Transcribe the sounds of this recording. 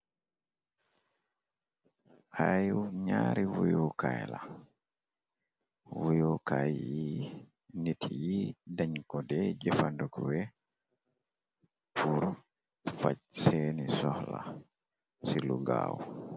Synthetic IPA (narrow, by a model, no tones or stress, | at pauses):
hajuwɲaːɾiwujɔkajla | wujɔkajji | nitʰijidaɲkɔdɛd͡ʒɛfandukwɛ | pʰuɾ | facsenisɔhla̰ | siluɡawɔ